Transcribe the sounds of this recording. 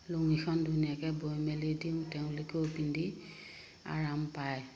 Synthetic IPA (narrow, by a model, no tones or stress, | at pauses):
loŋixʰɔndunijakɛbojmɛlediumtɛʊ̃likʰopindi | a̰ɹampaj